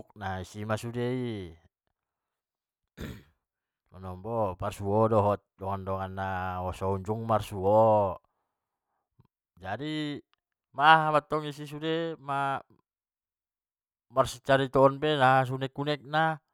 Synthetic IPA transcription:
k̚naisimasudei | manɔmbɔparsuɔdɔɦɔt̪̚dɔŋandɔŋanːaɔsɔuɲd͡ʒuŋmarsuɔ | d͡ʒadi | maɦamat̪ːɔŋisis̬udema | marsit͡ʃaɾit̪ɔːnpenaɦas̬unɛkːunɛk̚na

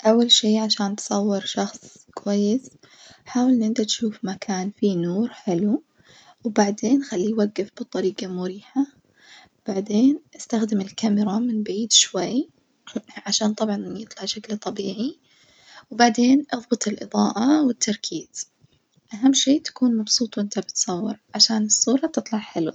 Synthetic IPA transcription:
ʔawːalʃiːʕaʃaːnt̪sˤɑwːɪɾʃɑxsˤ | kwajːɪs | ħaːwɪlnʔɪnd̪at̪ʃuːfmakʰaːnfinuːɾħɪlu | wbaʕd̪eːnxalːiwaɡːɪfb̥ɨt̪ˤːɑɾiːqɑmʊɾiːħa | b̥aʕd̪eːnʔast̪axd̪ɪmɪlkamɾˤɑmɪnbaʕiːd̪ʃwaj | ʕaʃaːnt̪ˤɑbʕɑnʔjɨt̪ˤlɑʕʃaklt̪ˤɑbiːʕi | wbaʕd̪eːnʔɨðˤbɨt̪ˤɪlʔɨðˤɑːʔɑwɪt̪ʰːɑɾˤkʰiːz | ʔaɦamːʃeːt̪ḁkuːnmɑbsˤuːt̪ˤwʔɪnt̪abɪt̪sˤɑwːɪɾʕaʃaːnɨsˤːuːɾˤɑt̪ɨt̪ˤlɑʕħɪlṵ

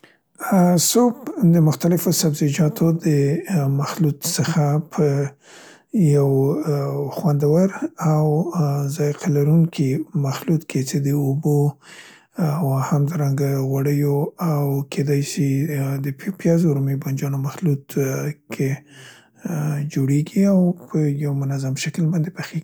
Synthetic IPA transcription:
sopd̪əmʊxt̪alɪfosabzid͡ʒɑt̪ʰod̪əmaxlut̪səxapʰə | jaw | xwand̪awaɾawzɑjqʰalaɾuŋkʰimaxlut̪kʰet͡ʃed̪əobo | awhamd̪ɑɾaŋɡaɣwaɽəjoawkʰed̪ɑjsid̪əppjɑzoɾmeband͡ʒɑnomaxlut̪kʰe | d͡ʒoɽeɡiawpʰəjawmʊnazamʃaklbɑnd̪epaxeɡi̥

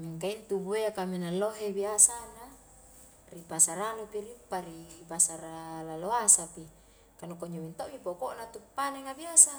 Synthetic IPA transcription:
miŋkaint̪ubueakaminaloɦebiasana | ripasaɾanupiɾipːaɾipasaɾalaloasapi | kanukoɲowint̪oʔmipokoʔnat̪upːaneŋabiasa

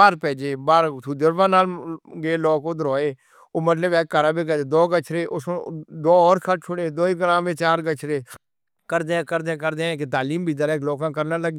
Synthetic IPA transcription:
aːɾpɛːd͡ʒeːbaːɾt̪ʰuːd̪əɾʋãːnaːlɡeːlɔːkoːd̪əɾɔːeː | oːmət̪ləbɛːəɾãːbeːkəd͡ʒeːd̪ɔːɡət͡ʃʰɾeːʔʊsd̪ɔːɔːɾkʰət͡ʃʰʊɽeːd̪oːiɡəɾãːmʋẽːt͡ʃaːɾɡət͡ʃʰɾeː | kəɾd̪ẽːkəɾd̪eɛ̃ːkəɾd̪eːɛ̃ːket̪aːliːmbʱiːd̪əɾɛːklɔːkãːkəɾnaːləɡ

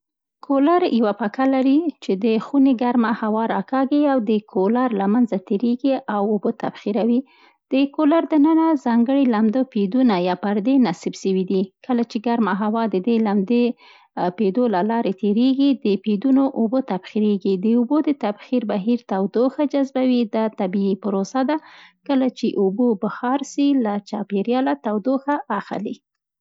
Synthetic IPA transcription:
kʰolaɾjawapakalaɾit͡ʃed̪əxuneɡaɾmahawɑɾɑkɑɡeawd̪əkʰolaɾlamanzat̪eɾeɡiawobot̪abxiɾawi | d̪̥əkolaɾd̪ənənazɑŋɡəɽilamd̪əped̪unajɑpaɾd̪enasibʃəwid̪ikəlat͡ʃeɡaɾmaɦawɑd̪əd̪elamd̪e | ped̪olalɑɾet̪eɾeɡid̪əped̪unoʔobot̪abxiɾeɡid̪əubod̪ət̪abxiɾbaɦiɾt̪awd̪oxad͡ʒazbawid̪ɑt̪abiipəɾosad̪akəlat͡ʃeʔubobahɑɾsilat͡ʃɑpeɾjɑlat̪awd̪oxaʔːxli

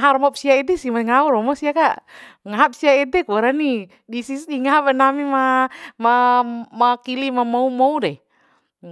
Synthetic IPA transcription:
aɦaɾmap̚siaɛdɛsimaŋauɾɔmɔsiakaʔŋaɦap̚siaɛdɛkuaɾani | disisdiŋaabɛnamimamamakilimamɔumɔudɛ

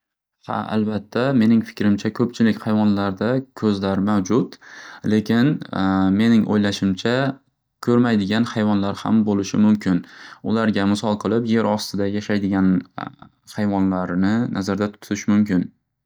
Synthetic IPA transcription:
ha̰a̰lbat̪ʰːame̞nɪŋfɪ̥kʲɾɪmt͡ʃʰakʰɵp̚t͡ʃʰɪlɪkʲhajvɒnlaɾd̪akʰɵzlaɾmawd͡ʒʊt̪le̞kʲʰɪnme̞nɪŋʔo̰jlaʃɪmt͡ʃʰa | kʲʰɵɾmajd̪ɪɡʲanhajvɒnlaɾha̰mbolɪʃɪmʊmkʲʰɪnʊlaɾɡʲamɪsɒlˠqʰɨlˠɪpje̞ɾɒst̪ɪd̪ajaʃajd̪ɪɡʲan | hajvɒnlaɾnɪnʔazaɾd̪at̪ʰʊ̥t̪ʰɪʃmʊmkʲɪn

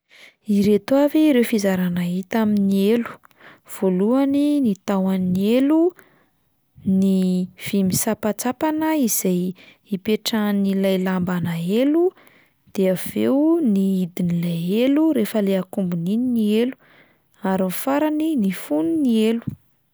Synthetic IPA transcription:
iɾet̪waviːɾewfizaɾanaɦit̪aminielu̥ | v̥oluaninit̪awanielu | niv̥imisapat͡sapanəiz̥aj | ipeʈ͡ʂanilajlambanaelu | d̪̥eav̥ḛwniid̪inilajeluɾefəleakumbunininielu̥ | aɾinfaɾaninifuninielu̥

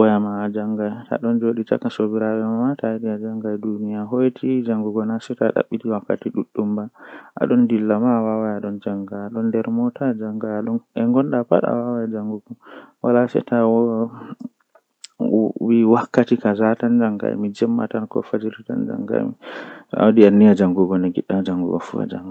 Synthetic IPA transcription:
jamaːd͡ʒaŋɡajta̰ɗɔnd͡ʒoɗita̰kːasobiɾawɛmamataɗiad͡ʒaŋɡajdunijaɦojtʰid͡ʒaŋɡuɡɔnasɛtaɗa̰ɓːitiwakːa̰tiɗuɗːumbaʔa̰ɗɔndilːamawawajaɗɔnd͡ʒaŋɡaaɗɔndɛɾmɔtad͡ʒaŋɡajaɗɔnʔɛŋɡɔnɗapa̰ɗa̰wawajd͡ʒaŋɡuɡɔwalasɛ̰tawɔ | wiwakːatikazatand͡ʒaŋɡa̰j̰mid͡ʒɛmːa̰tankɔ̰fad͡ʒiɾta̰nd͡ʒa̰ŋɡa̰jmḭtɔa̰wdianːijad͡ʒaŋɡuɡɔnɛɡḭɗːamad͡ʒaŋɡṵɡɔ̰fṵa̰d͡ʒa̰ŋɡa

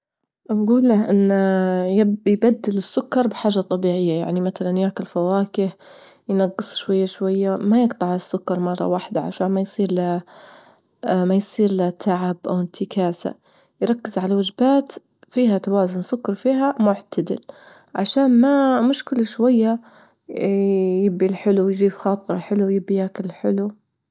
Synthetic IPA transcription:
ʔabɡuːlːaʔɪnːjajbad̪ːɪlɪsːʊkːɑɾˤbɪħaːʒːat̪ˤːɑbiːʕɪjːaja̰ʕnimaθalanjaːkɪlfawaːkɪh | jnɑɡːɨsˤʃwajːaʃwajːamajɪɡt̪ˤɑʕasːʊkːɑɾˤmɑrˤːɑ̰waːħd̪aʕa̰ʃaːnmajsˤiːɾla | majsˤiːɾlat̪ʰːaʕabʔawɪnt̪ʰɪkaːsa̰ | jɾˤɑkːɪzʕalawad͡ʒbaːt̪ | fiːhat̪awaːzʊnsʊkːɑɾˤfiːɦamʊʕt̪ad̪ɪ̰l | ʕaʃaːnmamʊʃkɪlʃwajːa | jɪbːilħɪlujd͡ʒiːfxɑːt̪ˤɨɾˤɑħɪlujɪbːijaːkɪlħɪ̰lu

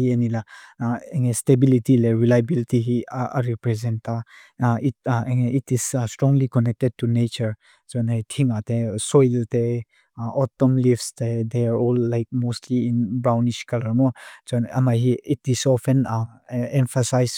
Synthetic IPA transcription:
ienilaeŋestebilitileɹilajbilitiɦiʔa̰ɾipɾɛzɛ̃nta | it̚eŋeitisstɾɔ̃ŋlikɔnɛk̚tɛd̚tunet͡ʃəɹ | zɔnajtʰiŋatesɔjlte | ʔɔtːɔmlifsted̪eaɹɔlːajk̚mostliinbɹawniʃkaləmɔzɔna̰maɦiitisɔfɛ̃naɛ̃nfasajs

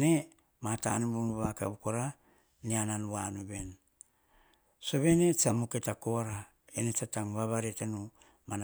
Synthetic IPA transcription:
ne̞ | mata̰nubunuβaka̰bukoɾa | niananuwanube̞n | so̞βene̞t͡ʃamuketako̞ɾa | enet͡ʃataŋβaβaɾetanu | mana

